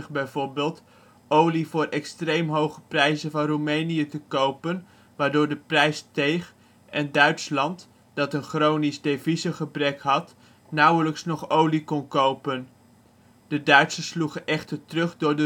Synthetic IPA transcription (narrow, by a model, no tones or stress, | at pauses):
χbɛjvoːɹbeːlˠt | ʔowlivʊːɹɛkstrejmɦowχəprɛjzənvɑnrumejnijətəkowpən | ʋaːɹdʊːɹdəprɛjstejχ | ɛndœɥtslɑnt | d̥ɑtənχrownizdevizəχəbrɛkɦɑt | nʌwələksnɔχowlikɔnkowpən | d̥ədœɥtsəsluχənʔɛχtəɹtrɵχdʊːɹdə